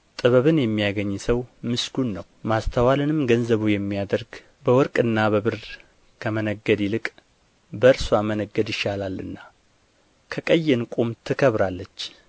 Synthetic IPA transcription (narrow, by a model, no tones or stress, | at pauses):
t̪ʼɨβəβɨnjɛmːijaɡəɲːsəwmɨsɡunːəwmast̪ʰəwalɨnɨmɡənzəβujɛmːijad̪əɾɡ | bəwɔɾkʼɨnːaβəβɨɾ | kʰəmənəɡːəd̪jilɨkʼ | bəɾswamənəɡːəd̪jɪʃalalɨ̰nːa | kʰəkʼəjːɛnkʼumt̪ʰɨkʰəβɾalːət͡ʃː